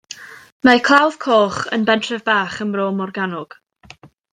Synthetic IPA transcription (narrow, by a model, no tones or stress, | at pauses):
makʰlˠawð̥kʰoːχə̰nbɛntʰrɛvbaːχənroːmɔrɡanɔɡ̥